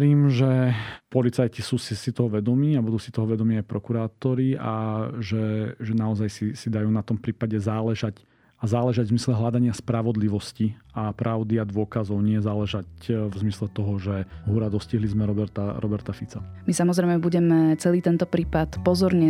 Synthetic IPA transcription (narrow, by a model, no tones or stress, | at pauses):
ɾiːmʒɛpɔlit͡sajcisuːsisit̪ɔɦɔʋɛd̪ɔmiːabud̪uːsit̪ɔɦɔʋɛd̪ɔmiːajpɾɔkuɾaːt̪ɔɾia̰ʒɛʒɛnaɔzajsisid̪ajuːnat̪ɔmpɾiːpaɟɛzaːlɛʒac | azaːlɛʒaɟvzmislɛɦlad̪aɲɪaspɾaʋɔd̪liʋɔsciapɾʔaʊd̪iad̪ʋʊɔkazɔʊɲɪɛzaːlɛʒacvzmislɛt̪ɔɦɔʒɛɦuɾad̪ɔsciɦlizmɛɾɔbɛɾt̪aɾʔɔbɛɾt̪afit͡samisamɔzɾɛɪmɛbuɟɛmɛt͡sɛliːt̪ɛnt̪ɔpɾiːpat̪pɔzɔɾɲɛ